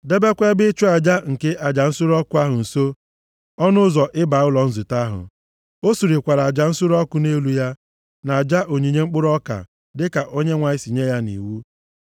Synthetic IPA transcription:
de˦be˦kʷe˦bɪ˦t͡ʃu˦a˨d͡ʒa˦ŋ̩˨ke˦ʔa˨d͡ʒa˨n̩˦sʊ˦ɾɔ˦kʊ˦a˦ɦʊ˨n̩˨so˦ | ɔ˦nʊ˦zɔ˨ʔɪ˦ba˨˦ʊ˦lɔ˨n̩˦zʊ˨ta˦ɦʊ̰˨ | o˦su˨ɾi˨kʷa˨ɾa˨d͡ʒa˨n̩˦sʊ˦ɾɔ˦kʊ˦ne˦lu˦ja˦ | na˨a˨d͡ʒa˦ʔo˨ɲi˨ɲe˦ŋ͡m̩˦k͡pʊ˦ɾɔ˦ka̰˨ | dɪ˦ka˨ʔo˦ɲe˦ŋʷa˨ɲɪ˦si˨ɲe˦ja˦nḭ˨wu˦

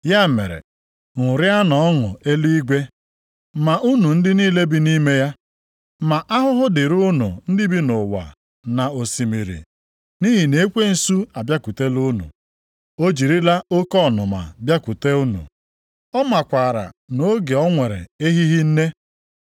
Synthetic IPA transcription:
ja˦˨mḛ˨ɾḛ˨ | ŋʊ˨ɾɪ˦a˦nɔ˨ɔ˦ŋʊ̰˨e˦li˦i˦ɡʷe˦ | ma˨ʔu˦nu˨n̩˦dɪ˦niː˦le˦bi˦ni˦me˦ja˦ | ma˨ʔa˦ɦʊ˦ɦʊ˦dɪ˨ɾu˦nʊ̰˨n̩˦dɪ˦bi˦nʊ˨wa̰˨ | na˨o˨si˨mi˨ɾḭ˨ | ni˦ɦi˨ne˦kʷe˦n̩˨su˦a˨bja˦ku˨te˦lu˦nṵ˨ | o˦d͡ʒi˨ɾi˦la˦o˦kɔ˦˨nʊ˨ma̰˨bja˦ku˨te˦u˦nṵ˨ | ɔ˦ma˨kʷa˨ɾa̰˨no˨˦ɡe˨ɔ˦ŋʷe˨ɾḛ˨e˦ɦi˦ɦi˦n̩˦ne˦

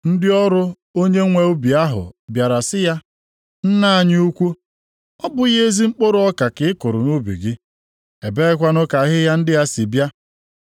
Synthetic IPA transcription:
n̩˦dɪ˦ɔ˦ɾʊ˦ | o˦ɲe˦ŋʷe˨u˦bi˨a˦ɦʊ̰˨bja˨ɾa˨sɪ˦ja˦ | n̩˦na˦a˨ɲɪ˦u˦kʷu˦ | ɔ˦bʊ˦je˦zi˦ŋ͡m̩˦k͡po˦ɾʊ˨˦ɔ˦ka˨kɪ˨˦ɪ˦kʊ˨ɾʊ˨nu˦bḭ˨ɡɪ˦ | e˨be˦ɪ˦kʷa˦nʊ˦ka˨ɦɪ˦ja˦n̩˦dɪ˦ja˦si˨bja˦

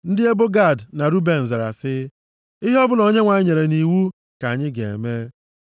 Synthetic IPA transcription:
n̩˦dɪ˦e˦bʊ˦ɡa˦˨dna˨ɾu˦be˨n̩˨ze˨ɾa̰˨sɪ˦ | ɪ˦ɦi˦ɔ˦bʊ˦lɔ˨˦ɲe˦ŋʷa˨ɲɪ˦ɲe˨ɾe˨ni˨wu˦ | ka˨ɲɪ˦ɡḛ˨me˦

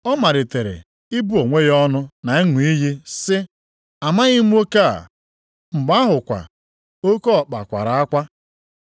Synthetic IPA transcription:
ɔ˦ma˨ɾɪ˨te˨ɾḛ˨ | i˦bu˦o˨ŋʷe˦jɔ˦nʊ˦na˨e˦ŋʷʊ˨i˦ɦi˦sɪ˦ | a˨ma˦ɣɪ˦mu˦o˦ke˦a̰˨ | ŋ͡m̩˨ɡ͡ba˦a˦ɦʊ˨kʷa̰˨ | o˦ko˦ɔ˨k͡pa̰˨kʷa̰˨ɾa˨a˦kʷa˦

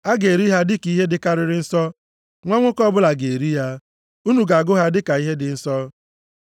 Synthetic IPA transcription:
a˦ɡe˨ɾi˦ɦa˦dɪ˦ki˦ɦe˦dɪ˨ka˦ɾɪ˨ɾɪ˦n̩˦sɔ˦ | ŋʷa˦ŋʷʊ˦kɔ˦bʊ˦la˨ɡe˨ɾi˦ja˦ | u˦nu˨ɡa˨ɡʊ˦ɦa˦dɪ˦ka˨i˦ɦe˦dɪ˨n̩˦sɔ˦

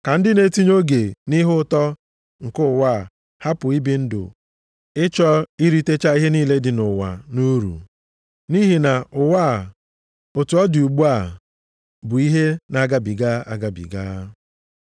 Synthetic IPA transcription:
ka˨n̩˦dɪ˦ne˨˦ti˦ɲ˦o˦ɡe˨ni˦ɦʊ˦tɔ˦ | ŋ̩˨kʊ˦˨wa˦˨ | ha˦pʊ˨i˦bi˦n̩˦dʊ̰˨ | ɪ˦t͡ʃɔ˦i˦ɾi˦te˦t͡ʃa˦i˦ɦe˦niː˦le˦dɪ˨nʊ˨wa̰˨nu˦ɾṵ˨ | ni˦ɦi˨na˨ʊ˨wa˦˨ | o˨tu˨ɔ˦dɪ˨u˨ɡ͡bu˦a˦˨ | bʊ˨i˦ɦe˦na˦ɡa˦bi˨ɡa˦a̰˦ɡa˨bḭ˨ɡaː˦

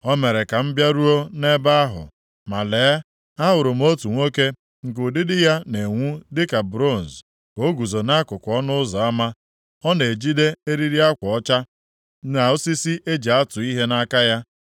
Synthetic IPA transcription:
ɔ˦me˨ɾe˨ka˨m̩˦bja˦ɾu˦o˦ne˦ba˦a˦ɦʊ̰˨ | ma˨leː˨˦ | a˦ɦʊ˨ɾʊ˨m̩˦o˦tu˨ŋʷo˦ke˦ | ŋ̩˨kʊ˨dɪ˦dɪ˦ja˦ne˨ŋʷu˦dɪ˦ka˨bɾo˦˨n̩˨z | ko˦ɡu˨zo˨na˦kʊ˨kʷɔ˦nʊ˦ʊ˦zɔ˨a˦ma˦ | ɔ˦ne˨d͡ʒi˦de˦e˦ɾi˦ɾi˦a˦kʷɔ˨ɔ˦t͡ʃa˦ | na˨ʊ˦si˦si˦ʔe˦d͡ʒi˨a˦tʊ˨i˦ɦe˦na˦ka˦ja˦

